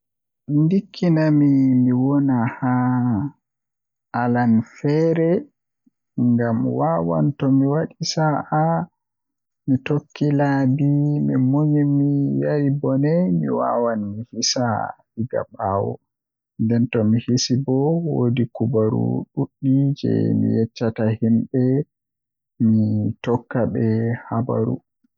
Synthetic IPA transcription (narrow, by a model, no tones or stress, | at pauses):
ndikʰːinamimiwɔnaha | ʔalanfɛɾɛ | ŋɡamwawa̰ntɔmiwaɗisaʔa | mitokʰːilabimimoɲimijaɾibɔnɛjmḭwa̰wanmihisahiɡa̰ɓaːwɔ̰ | ndɛntɔmihisibɔwodikubaɾṵɗuɗːid͡ʒɛ̰mḭjɛt͡ʃːatahimɓɛ | mitɔkːaɓɛhaba̰ɾṵ